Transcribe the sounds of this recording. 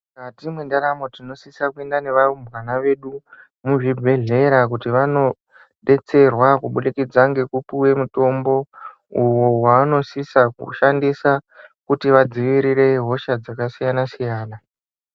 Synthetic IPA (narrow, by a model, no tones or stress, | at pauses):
katimwendaɾamotino̞sisakue̞ndane̞ʋarumbɣanaʋe̞ɗu | muʐibʱe̞ɮe̞ɾak̬utiʋano̞ | ɗe̞t͡se̞rwakuɓulikid͡zaŋɡe̞kupuwe̞muto̞mbo̞ | uwo̞waːno̞sisakṵʃandisakutiʋad͡ziʋiɾiɾe̞ɦo̞ʃad͡zakasijanasijaːna